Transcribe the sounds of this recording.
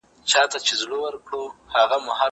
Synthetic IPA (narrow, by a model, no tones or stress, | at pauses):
t͡ʃɑt̪at͡ʃezɽowəɾkɽohaɣamahɑ